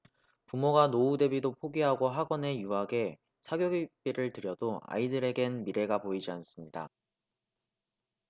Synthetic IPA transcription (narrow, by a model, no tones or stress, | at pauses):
pumoɡanoude̞bidopʰoɡiɦaɡoɦaɡʌne̞juɦaɡe̞ | sʰaɡjoɡip͈iɾɯɭtɯɾjʌdoa̰idɯɾe̞ɡe̞nmiɾe̞ɡapoid͡ʑians͈ɯmɲida̰